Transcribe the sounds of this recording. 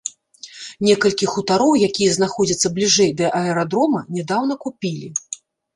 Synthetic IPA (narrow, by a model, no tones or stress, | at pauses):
nʲɛkɐlʲkʲixut̪aɾɔwjakʲijɐznaxɔd͡zʲɐt̪sːɐblʲiʐɛjd̪ɐʔɐɛɾad̪ɾɔmɐnʲɛd̪awn̪ɐkupʲilʲi